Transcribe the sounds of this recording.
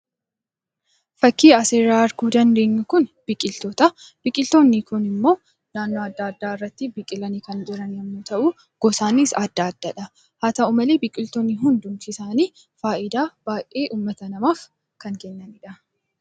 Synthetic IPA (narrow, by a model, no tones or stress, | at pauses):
fɐkːiːɐseːɾaːɐɾɡuːd̪ɐnd̪e̞ːɲːʊkʊnb̥ɪkʼɪlt̪ɔt̪ɐ | b̥ɪkʼɪlt̪oːnːɪkʊnɪmːo̞ː | naːnːoɐd̪ːaːɐd̪ːaːɪrːɐt̪ːɪbɪkʼːɪlɐniːkɐnd͡ʒɪɾɐnjɐmnut̪ɐʔuː | ɡ̥ɔsaːniːsad̪ːaːɐd̪ːɐᶑɐ | haːt̪ɐʊmɐleːbɪkʼɪlt̪onːiɦʊnd̪ʊŋkɪsaːniː | faːʔɪd̪aːb̥aːjʔʼʔeːʔuːmːɐt̪ɐnɐmaːf | kɐŋkɛnːɐnɪᶑɐ